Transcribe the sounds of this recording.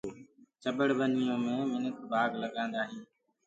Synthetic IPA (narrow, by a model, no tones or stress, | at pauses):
t͡ʃəbəɽʋənɪjõːmẽːmɪnəkʰbʱaːɡləɠãːnd̪aːɦiː